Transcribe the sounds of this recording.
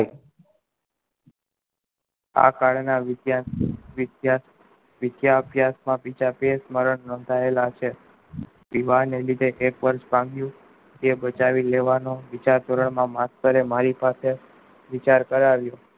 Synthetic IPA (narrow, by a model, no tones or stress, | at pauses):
a̰kaɭnaʋd̪ja | ja | ʋɪd̪jaəbjasmãpit͡ʃapesməɾəɳnɔ̃ːnd̪ʱaelat͡ʃʰe | ʋiʋanelid̪ʱeʔekʋəɾʃbʱãŋɡjũ | t̪ebət͡ʃaʋileʋanoʋɪt͡ʃaɾt̪oɾəɳmãmast̪əɾemaɾipase | ʋit͡ʃaɾkəɾaʋjo